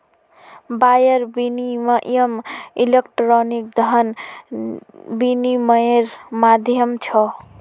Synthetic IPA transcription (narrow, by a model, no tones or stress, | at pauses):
bajəɾbinimjəmilekʈɾɔnik̚d̪ʱɦən | biniməɾmad̪ʱjəmt͡ʃʰɔ